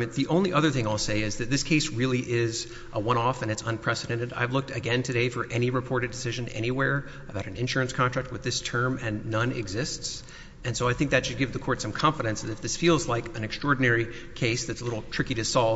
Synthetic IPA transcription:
ɨ̃nðiʔõʊ̃nliʔʌðə˞θɪ̃ŋaɪlˠseɪɪzðɨt̪̚ðɪskʰeɪsɹɪlˠiʔɪz | ʔəwʌ̃ɾ̃ɔfɨ̃nɨtsə̃npʰɹ̥ɛsɨɾɛ̃ñɨɾa̰ɪvlʊk̚tɨɡɛ̃ntʰɨɾeɪfə˞ʔɛniɹɨpʰɔɹɾɨdɨsɪʒɨ̃nɛ̰ñiwɛɹ | əbaʊɾ̃n̩ɨ̃nʃʊɹɨ̃nskʰɑ̃ntʰɹ̥æk̚t̚wɨðɪstʰɜ̃˞mɨ̃nːʌ̃nɪ̰ɡzɪsts | ɨ̃nsoʊaɪθɪ̃ŋk̚ðɨtʃɨd̚ɡɪvðɨkʰɔɹtsʌ̃mkʰɑ̃ɱfəɾɨ̃nsðɨɾɨfðɪsfilˠzlaɪkɨ̃nɨkstɹ̥ɔɹdⁿn̩ɛɹi | kʰeɪsðɨtsəlɪɾl̩ˠtʰɹ̥ɪkiɾɨsɔlˠ

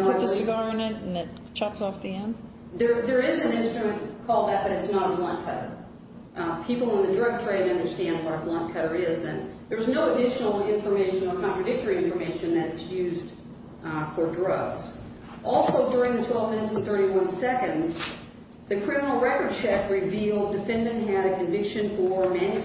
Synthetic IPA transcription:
ʊɨsɨɡɑɹ̃ŋɨ̃ɾ̃n̩ɨt̚ | t͡ʃʰɑpsɔfðiɛ̃nd̥ | ðə˞ðə˞ɪzɨ̃nɪ̃nstɹ̥ɨmɨ̃nkʰɔl̚ˠðɨt̚b̥ʌɾɨtsnəɾəblʌ̃nkʰʌɾə̰˞ | pʰipl̩ˠə̃nðɨdɹʌɡ̚tʰɹ̥eɪɾ̃ʌ̃ndə˞stæ̃nd̚wʌɾəblʌ̃nkʰʌɾə˞ɪzɨ̃nðə˞wʌznoʊədɪʃnl̩ˠɪ̃ɱfə˞meɪʃɨ̃nə˞kʰɑ̃ntɹ̥ɨdɪk̚tə˞iɪ̃ɱfə˞meɪʃɨ̃nðɨɾɨtsjʉzd | fə˞dɹʌɡz̥ | ʔɔlˠsoʊdʊɹɪ̃ŋðɨtʰw̥ɛlˠvmɪ̃nɨtsn̩θɜ˞ɾiwʌ̃nsɛkɨ̃ndz | ðɨkʰɹ̥ɪ̃mənl̩ˠɹɛkə˞d̚t͡ʃʰɛfɹɪvilˠddɨfɛ̃ndɨ̃nɦɨɾɨkʰɨ̃ɱvɪkʃɨ̃nfə˞mæ̃nɨ

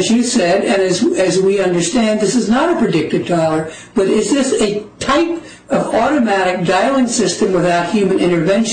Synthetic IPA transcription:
zjɨsɛɾɨ̃nɨzɨzwiʌ̃ndə˞stæ̃nðɪsɨznəɾɨpʰɹ̥ɨdɪk̚tɨv̥kʰɑlˠə˞ | b̥ʌɾɪzðɪsɨtʰaɪp | ʌvɔɾɨmæɾɨk̚d̥aɪlˠə̃nsɪstɨ̃mwəθaʊt̚hjʉmɨ̃nɪ̃ɾ̃ə˞vɛ̃nʃ

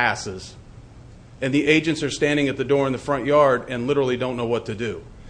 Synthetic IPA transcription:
æsɪz̥ | ɨ̃nðiʔeɪd͡ʒɨ̃ntsə˞stæ̃ndɪ̃ŋɨt̪̚ðɨdɔɹɨ̃nðɨfɹʌ̃nʔjɑɹɾɨ̃nlɪɾə˞l̩ˠidõʊ̃nːoʊwʌtʰɨdɨ

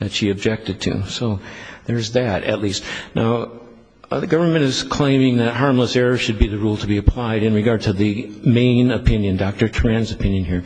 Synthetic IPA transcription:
ðɨtʃiɨb̚d͡ʒɛk̚tɨd̚tʰʉ̰soʊðə˞zðɨtɨ̰tˡlistnʔa̰ʊ | ðɨɡʌvə˞mɨ̃ñɨz̥kʰl̥ẽɪ̃mɪ̃ŋðɨt̚ɦɑɹmləsɛɹə˞ʃɨd̚biðɨɹulˠtʰəbiɨpʰl̥aɪɾɨ̃nɹɨɡɑɹd̚tʰɨðɨmẽɪ̃nɨpʰɪ̃njɨ̃ndɑk̚tə˞tʰɹ̥æ̃nzɨpʰɪ̃njɨ̃nhiɹ

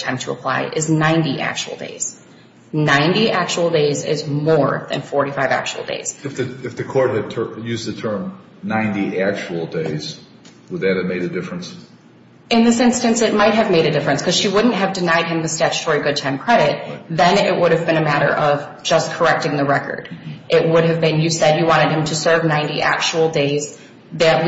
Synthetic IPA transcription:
tʰãɪ̃mtʰəəpʰl̥a̰ɪʔɪznãɪ̃ndiʔæ̰k̚t͡ʃṵwl̩ˠdḛɪz̥ | nãɪ̃ndiʔæk̚t͡ʃuwl̩ˠdeɪzɪ̰zmɔɹðɨ̰̃nfɔɹɾifaɪvæ̰k̚t͡ʃṵl̩ˠdḛɪz̥ɨfðɨɨfðɨkʰɔɹt̚ɨd̚tʰjʉzðɨtʰɜ̃˞m | nãɪ̃ntiʔæk̚t͡ʃul̩ˠdeɪz̥ | wəd̪̚ðɨt̚ɨmeɪɾɨdɪfɹɨ̃ns | ɨ̃nðɪsɪ̃nstɨ̃nsɨt̚maɪt̚ɦɨvmeɪɾɨdɪfɹɨ̃nskʰʌz̥ʃiwʊdⁿn̩t̚ɦɨvdɨnaɪd̚ɨ̃mðɨstæt͡ʃɨ̥tʰɔɹiɡʊd̚tʰãɪ̃mkʰɹ̥ɛɾɪt̪̚ðɨ̃nɪ̰ʔ̚wʊɾɨvbɨ̃ñɨmæɾə̰˞ʔʌv | d͡ʒʌskʰə˞ɛk̚tɪ̃ŋðɨɹɛkə̰˞ɾʔɪt̚wʊɾɨvbɨ̃njɨsɛdjɨwɑ̃ɾ̃ɨd̚ɨ̃mtʰɨsɜ˞vnãɪ̃ntiʔæ̰k̚t͡ʃul̩ˠdeɪz | ðɨt̚

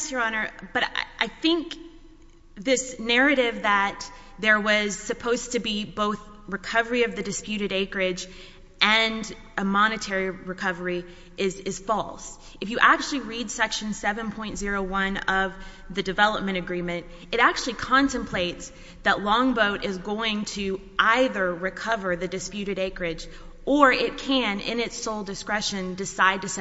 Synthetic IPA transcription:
sə˞ɑnə˞b̥ʌɾ̰ʔaɪθɪ̃ŋk | ðɪsnɛɹɨɾɪvðət̪̚ | ðə˞wʌz̥sɨpʰoʊz̥tʰɨbiboʊθ | ɹɨkʰʌvə˞iʌvðɨdɨspjʉɾɨɾeɪkə˞ɪd͡ʒ | ʔɨ̃n | ɨmɑnɨtʰɛɹiɹɨkʰʌvə˞i | ɪzɨz̥fɔlˠs | ɨfjɨʔæk̚t͡ʃʉl̩ˠiɹidsɛkʃɨ̃n̩sɛvɨ̃npʰɔ̃ɪ̃ntz̥ɪɹoʊwʌ̃nʌv | ðɨdɨvɛlˠəp̚mɨ̃ɾ̃ɨɡɹĩmɨ̃nt̚ | ɨɾæk̚t͡ʃʉl̩ˠikʰɑ̃ntɨ̃mpʰl̥eɪts | ðəʔˡlɔ̃ŋboʊɾʔɪzɡoʊɪ̃ŋtʰɨ | ʔaɪðə˞ɹɨkʰʌvə˞ðɨdɨspjʉɾɨɾeɪkə˞ɪd͡ʒ | ʔə˞ɪt̚kʰɨ̃nɪ̰̃nɨtsoʊlˠdɨskɹɛʃɨ̃ndɨsaɪd̚tɨs

